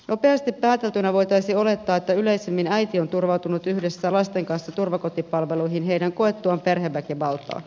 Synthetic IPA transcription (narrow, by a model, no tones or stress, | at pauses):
nʔo̞pe̞ɑst̪ipːæːt̪elt̪ynæʋo̞jt̪ɑjsio̞le̞t̪ːɑːet̪ːæyle̞jsemːinæjt̪io̞nt̪urʋɑwt̪unut̪yhde̞sːælɑst̪e̞ŋkɑnsːɑt̪urʋɑko̞t̪ipɑlʋe̞lujɦinɦe̞jdæŋko̞et̪ːuɑmpe̞rɦeʋːækiʋɑlt̪ɑ̰ː